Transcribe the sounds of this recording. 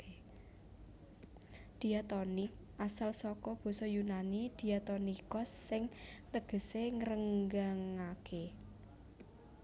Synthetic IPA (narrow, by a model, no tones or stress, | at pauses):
d̪̥i̤at̪ɔnɪk̚ | ʔasalsɔkɔb̥ɔ̤sɔjunanid̪̥i̤jat̪ɔnikɔsːɪŋt̪əɡ̥ə̤seŋəɾəŋɡaŋake